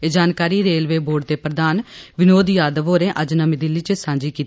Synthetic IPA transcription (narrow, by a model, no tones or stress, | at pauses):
ed͡ʒaːnkaːɾiːɾeːlʋeːboːɖ̚d̪eːpɾəd̪aːnʋɪnoːd̪jaːd̪əʋoːɾẽːʔəd͡ʒnəmɪd̪ɪlːiːt͡ʃəsãːɲd͡ʒiːkiːt̪